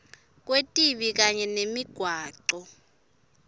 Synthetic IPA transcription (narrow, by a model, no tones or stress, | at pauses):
k̬ʼwetʼiɓik̬aɲɛnemiɡ̥ʱwaːǃɔ